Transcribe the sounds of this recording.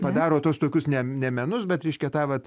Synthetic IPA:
pɐd̪ɑːɾoːt̪uɔst̪oːkʲʊsnʲɛnʲɛmʲɛnʊsbʲɛt̪ɾʲɛɪʃʲkʲɛt̪ɑːʋɐt̪

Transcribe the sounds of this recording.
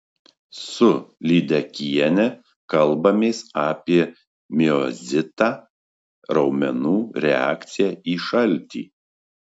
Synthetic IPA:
sʊlʲiːd̪ʲɛkʲiɛnʲɛ | kɐlˠbɐmʲeːsaːpʲiɛ | mʲɪɔzʲɪt̪aː | ɾɒʊmʲɛnuːɾʲɛ̰æ̰ːkt̪sʲɪjɛiːʃɐlʲˑt̪ʲḭː

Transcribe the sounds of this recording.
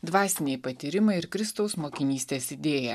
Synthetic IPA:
d̪ʋɑːsʲɪnʲeɪpɐt̪ʲiɾʲɪmɐɪɪɾkɾʲɪst̪ɐʊsmoːkʲɪnʲiːsʲt̪ʲeːsɪd̪ʲeːjɛ

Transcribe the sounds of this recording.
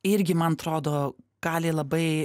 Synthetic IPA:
ɪɾʲɡʲɪmɐnɐt̪ɾoːd̪oːɡ̥ɑːlʲeːlˠɐbɐɪ

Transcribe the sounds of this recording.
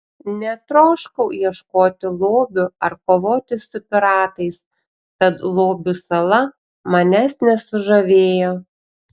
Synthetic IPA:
nʲɛt̪ɾoːʃkɐʊiɛʃkoːt̪ʲɪlˠoːbʲʊɐɾkoːʋoːt̪ʲɪsʊpʲɪɾɑːt̪ɐɪs | tɐt̪lˠoːbʲʊsɐlˠɐ | mɐnʲɛsnʲɛsʊʒɐʋʲeːjoː

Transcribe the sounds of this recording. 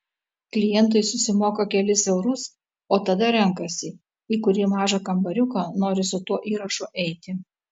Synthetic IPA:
klʲɪjɛnˑt̪̬ɐɪsʊsʲɪmoːkɐkʲɛlʲɪsɛʊɾʊs | oːt̪ɐd̪ɐɾʲɛŋkɐsʲɪ | iːkʊɾʲiːmɑːʒɐkɐmbɐɾʲʊkɐnoːɾʲɪsʊt̪uɔʔiːɾɐʃuʔɛɪt̪ʲɪ

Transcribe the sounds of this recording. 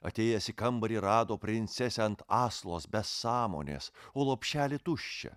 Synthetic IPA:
ɐ̰t̪ʲeːjɛsʲɪkɐmbɐɾʲiːɾɑːd̪oːpʲɾʲɪnʲt̪sʲɛsʲɛɐnt̪ɑːslˠo̰ːsbʲɛsːɑːmo̰ːnʲḛːsoːlˠoːpʲʃʲæːlʲɪt̪ʊʃʲt͡ʃʲɛ̰

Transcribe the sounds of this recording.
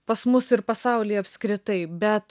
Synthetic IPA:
pɐsmʊsɪɾpɐsɐʊlʲeːɐpʲskɾʲɪt̪ɐɪbʲɛt̪

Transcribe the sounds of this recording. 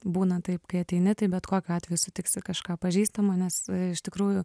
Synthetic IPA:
buːnɐt̪ɐɪpkɐɪɐt̪ʲɛɪnʲɪt̪ɐɪbʲɛt̪koːkʲoɑːt̪ʲʋʲɛjʊsʊt̪ʲɪksʲɪkɐʃkɑːpɐʒʲiːst̪ɐmoːnʲɛsɪʃt̪ʲɪkɾuːjʊ

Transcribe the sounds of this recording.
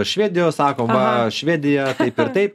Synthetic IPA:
ʃʲʋʲeːd̪ʲɪjoːsɑːkoːmʋɐʃʲʋʲæːd̪ʲɪjɛt̪ɐɪpɪɾt̪ɐɪp

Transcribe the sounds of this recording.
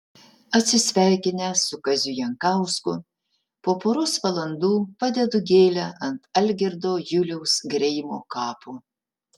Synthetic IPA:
ɐt̪ʲsʲɪsʲʋʲæˑɪkʲɪnʲɛsʊkɐzʲʊjɛŋkɐʊskʊ | poːpoːɾʊsʋɐlˠɐnd̪uːpɑd̪ʲɛd̪ʊɡʲeːlʲɛʔɐnt̪ɐlʲɡʲɪɾd̪oːjʊlʲɛʊsɡɾʲɛɪmoːkɑːpʰʊ

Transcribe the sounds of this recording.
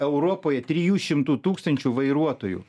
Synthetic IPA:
ɛʊɾoːpoːjɛt̪ʲɾʲijuːʃʲɪmt̪uːt̪uːkst̪ɐnʲt͡ʃʲuːʋɐɪɾuɔt̪oːjṵː

